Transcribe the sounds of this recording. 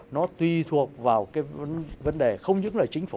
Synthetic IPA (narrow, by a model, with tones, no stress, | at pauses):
nɔ˨˦t̪wi˧t̪ʰu˨˩ək̚vaː˨˩wkaː˨˦jnvə˨˦nɗe˨˩xə˧wŋ͡mɲɨ̰˧˥ŋləː˨˩jt͡ɕï˨˦ŋ̟f